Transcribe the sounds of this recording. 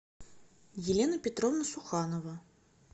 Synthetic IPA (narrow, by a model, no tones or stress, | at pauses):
jɪlʲɛnɐpʲɪt̪ɾɔvnəsʊxanəvɐ